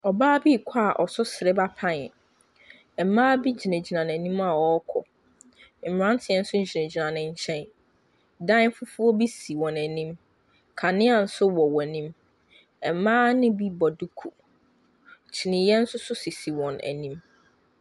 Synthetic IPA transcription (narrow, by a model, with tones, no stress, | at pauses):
ɔ˨baː˦bi˦˨kʷʰa˦a˨ʔɔ˨sʊ˦sɪ˨ɾɪ˦ba˦pʰa˦nɪ̃˨ | ɛ˨m̩˦mãː˦bi˦d͡ʑi˨nẽ˨d͡ʑi˨nã˨næ˨nĩ˦ma˨wɔ˨˦kʰɔ̰˨ | m̩˨m˨ɾã˦n˦tʰɪ˨ɛ˦n̩˦sʊ˦ɲ̩˦d͡ʑi˨nẽ˨d͡ʑi˨nã˨nɪ̃˨ɲ̩˦t͡ɕʰɛ̃˦n | dã˦fʊ˦fʊ˦ɔ˦bi˦si˨wɔ̃˨næ˨nĩ˦m | kʰa˨nɪ̃˦a˨n̩˦sʊ˦wɔ˨wɔ̃˨nĩ˦m | ɛ˨m˨˦mãː˦nɪ̃˦bi˦bɔ˨du˦kʰu˨ | t͡ɕʰi˨nɪ̃˨jɛ˦n̩˦sʊ˦sʊ˦si˨si˨wɔ̃˨næ̰˨nĩ˦m